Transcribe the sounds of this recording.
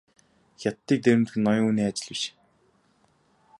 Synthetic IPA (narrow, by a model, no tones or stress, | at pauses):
xʲat̪ːiːk̚t̪eɾʲɘ̆mt̪xɘ̆nːɔjʊ̆ŋuːniːat͡ɕɪ̆ɮĭʃ